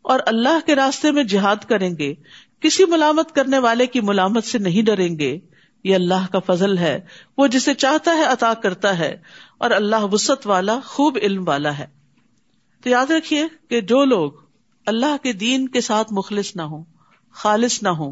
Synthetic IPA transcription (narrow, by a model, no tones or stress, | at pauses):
ɔːɾɐlːaɦkeɾaːst̪emẽd͡ʒɪɦaːd̪kɐɾẽːŋɡe | kɪsimʊlaːmət̪kɐɾneʋaːlekimʊlaːmət̪senɐɦĩɖɐɾẽːŋɡeː | jeɐlːaɦkafɐzəlɦɛːʋod͡ʒɪsːet͡ʃaːɦt̪aɦɛɐt̪aːkɐɾt̪aɦɛ̰ːɔ̰ːɾɐlːaɦbʊsət̪ʋaːlaxuːbɪlmʋaːlaɦɛː | t̪ojaːd̪ɾɐkʰieked͡ʒoːloːɡ | ɐlːaɦked̪iːnkesaːt̪ʰmʊxlɪsnaɦõː | xaːlɪsnaɦõː